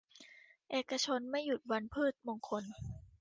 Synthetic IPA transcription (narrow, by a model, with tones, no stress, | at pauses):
ʔeː˨˩ka˧t͡ɕʰo˧nma˥˩jːu˨˩t̪̚wa˧npʰɯː˥˩t̪̚mo˧ŋkʰo˧n